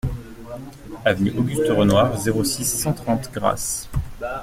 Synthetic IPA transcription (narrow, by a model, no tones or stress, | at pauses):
avniʔɔɡʲyst̪əʁənwaʁzeʁosisːɑ̃t̪χɑ̃t̪ɡʁa̰s